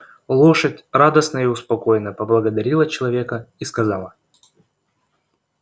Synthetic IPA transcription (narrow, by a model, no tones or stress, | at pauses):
lˠoʂətʲrad̪əsnəiʊspɐko̞jɪnəpəblˠəɡəd̪ɐɾʲilˠət͡ɕɪlˠɐvʲe̞kəiskɐzalˠə